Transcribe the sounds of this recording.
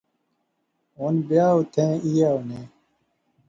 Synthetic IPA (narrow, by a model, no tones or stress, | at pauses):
onbjaːut̪ʰẽːijaːunẽ